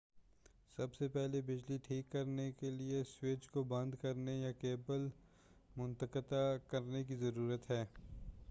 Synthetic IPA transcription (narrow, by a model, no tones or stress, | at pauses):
sɐbsepɛɦlebɪd͡ʒliʈʰiːkːɐɾnekeliesweːt͡ʃkobɐ̃nd̪kɐɾnejakeːbəl | mʊ̃nt̪əkət̪akɐɾnek̬izɐɾuːɾət̪ɦɛː